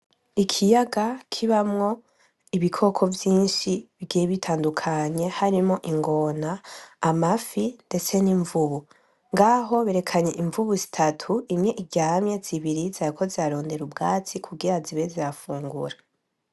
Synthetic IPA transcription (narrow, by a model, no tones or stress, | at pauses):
ikʰijaɡakʰiβamŋo̞ | iβikʰo̞kʰo̞vjiːnʃiβiɡijeβitʰaːndukʰaɲe̞haɾimŋo̞ʔiŋɡo̞naːmafinde̞t͡se̞niɱvuβu | ŋɡaːɦo̞βeɾe̞kʰaɲe̞ʔiɱvuβuzi̥tʰatʰuimŋe̞ʔiɟaːmɲe̞ziβiɾizaɾikʰo̞ziaɾo̞ːnde̞ɾubɡaːt͡sikʰuɡiɾaziβeziɾafuːŋɡṵɾa